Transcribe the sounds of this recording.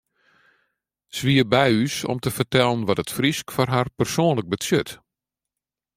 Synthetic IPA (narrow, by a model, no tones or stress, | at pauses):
sʋiəbɛjysɔ̰mtəfərtɛlˠənʋɔtətfriskfɔrɦarpərsoːənlək̚bəsjøt